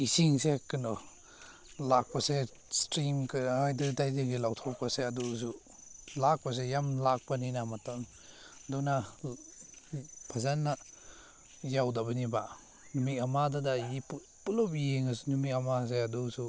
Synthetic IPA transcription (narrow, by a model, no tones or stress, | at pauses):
isiŋsekɯnɔ | lak̚pɐse | stɾimkɯajdɯdajzeŋɡilawtʰɔk̚paseɐdus̬u | lak̚pɐs̬ejamlak̚paninamataŋ | dɔna | pʰazanːa | jawdɐbɐniba | numitamadadajipu | pulɔpjeŋasunumit̚ɐmas̬eɐdusu